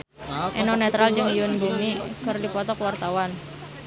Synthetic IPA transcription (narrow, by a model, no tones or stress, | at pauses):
ʔɛnɔnɛt̪ɾald͡ʒɨŋijʊnbumikɨrdipɔt̪ɔkwart̪awan